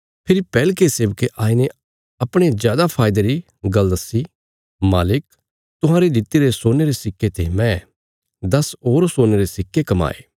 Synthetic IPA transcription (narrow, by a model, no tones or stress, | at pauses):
pʰɪɾipɛːlkeseːbkeʔaːine | ɐpɽ̃ezjaːd̪apʰaːɪd̪eɾi | ɡɐld̪ɐsi | maːlɪk | t̪ʊɦãːɾed͡ʒ̪ɪt̪ːeɾesoːneɾesɪkːet̪emɛ̃ | d̪ɐsoːɾsoːneɾesɪkːekɐma̰ːḛː